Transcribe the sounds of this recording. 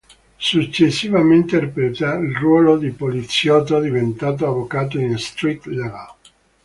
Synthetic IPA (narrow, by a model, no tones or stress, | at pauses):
sut͡ʃːesːivament̪eɾipɾet̪ailrwɔːlod̪ipolit̪sjɔːt̪od̪ivent̪aːt̪̬oavokaːt̪̬oinst̪ɾit̪laɡa